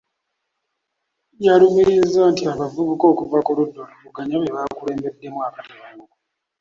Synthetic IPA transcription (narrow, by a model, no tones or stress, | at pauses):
jaɾumiɾizantiakavuβuko̞ːkuvakoɾudo̞ɾoβuɡaɲaβeβakuɾe̞ːmbe̞dːe̞muakatiβamuk